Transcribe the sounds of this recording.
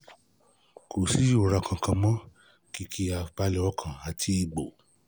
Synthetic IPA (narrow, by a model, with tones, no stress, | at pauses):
kʰo˨si˦u˨ɾa˧kʰã˧kã˧mɔ̃˦ | ki˦kʰi˦a˧k͡pa˧lɛ˧ɔ˦kʰã˨a˨tʰi˧i˧˨ɡ͡bo˨